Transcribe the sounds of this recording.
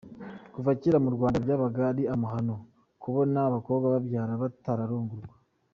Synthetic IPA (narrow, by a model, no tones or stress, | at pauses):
kuvaciɾamuɾɡwaːndabjaːβaɡaːɾiamuɦano̞ | kuβonaːβako̞ːβbɡaβabjaːɾaβataɾaɾuːŋɡuɾɡwa